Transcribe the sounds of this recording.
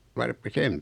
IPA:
ʋɑrpːi sem

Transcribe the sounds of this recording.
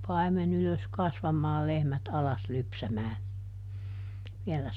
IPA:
pɑimen yløs kɑsʋɑmɑː lehmæt ɑlɑs lypsæmæː ʋiɛlæ

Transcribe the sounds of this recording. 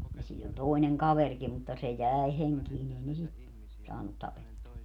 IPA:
jɑ siːn olʲ toi̯neŋ kɑʋerkim mutːɑ se jæˑe heŋkiːn ei ne sit sɑːnːut tɑpetːuɑ

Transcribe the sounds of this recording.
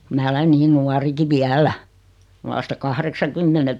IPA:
mæː olen niːn nuɑriki ʋiælæ ʋɑstɑ kɑhreksɑkymːene

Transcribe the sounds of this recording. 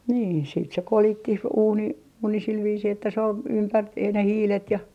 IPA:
niː siːt se kolitːih uːni uːni sil ʋiːsiː etːæ se ol ympætːih ne hiːlet jɑ

